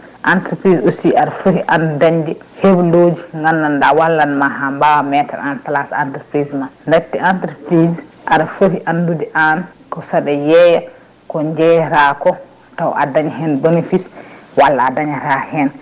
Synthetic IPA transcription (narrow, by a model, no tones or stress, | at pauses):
ʔantɾpɾisosiaɾafohiʔandudaɲd͡ʒɛhebloːd͡ʒiŋɡanːandawalːanmaɦambawamɛta̰ɾantalasa̰ntɾpɾismanndatːɛantɾpɾizʔaɾafohiʔandudɛʔan | kɔsaɗɛjɛja | kɔɲd͡ʒɛjɾakɔ | tawʔa̰daɲɛɦɛnbɛnefiswalːaːdaɲɛɾahɛn